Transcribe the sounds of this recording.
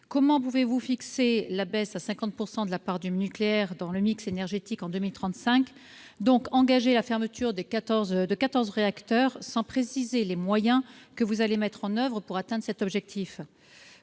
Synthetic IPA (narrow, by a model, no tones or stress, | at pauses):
kɔmɑ̃puvevufikselabɛsasɛ̃kɑ̃t̪̚puʁsɑ̃d̪əlapaʁd̪ynykleɛʁd̪ɑ̃ləmiksenɛʁʒet̪ikɑ̃d̪ømilt̪χɑ̃t̪sɛ̃k | d̪ɔ̃kɑ̃ɡaʒelafɛʁmət̪ʰyʁd̪ekat̪ɔʁzd̪əkat̪ɔʁzʁeakt̪œʁsɑ̃pχesizelemwajɛ̃kəvuzalemɛt̪χɑ̃nœvʁəpuʁat̪ɛ̃d̪ʁsɛt̪ɔbʒɛk̚t̪ʰif